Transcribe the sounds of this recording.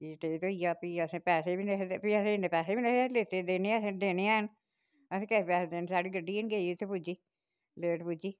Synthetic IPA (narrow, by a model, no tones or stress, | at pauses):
iʈ̪eːt̪oijaːpiːəsẽːpɛːseːbiːnepiəsẽneːpɛːseːbiːneseleːt̪eːd̪eːneːsẽːd̪eːneːaːən | əsẽːkɛpɛːsd̪eːnsaːɖiːɡəɖːiːɪnɡeːiʊt̪ʰːeːpud͡ʒiː | leːʈpud͡ʒiː